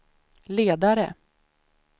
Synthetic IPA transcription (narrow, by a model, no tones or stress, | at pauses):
leːd̪aɾə̰